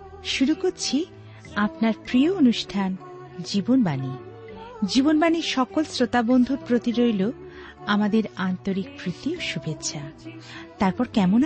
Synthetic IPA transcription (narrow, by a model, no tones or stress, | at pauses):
ʃuɾukoɾt͡ɕʰi | apnaɾpɾijoonuʃʈʰan | d͡ʑibonbani | d͡ʑibonbaniɾʃɔkolsɾot̪abond̪ʱuɾpɾot̪iɾojlo | amad̪eɾant̪oɾikpɾit̪ioʃubʱetːɕʰat̪aɾpɔɾkɛmon